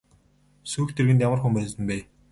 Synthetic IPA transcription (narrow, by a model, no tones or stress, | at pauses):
suːxt̪ʰerɣɘ̆t̪jamərxumpæːsɘ̆mpæː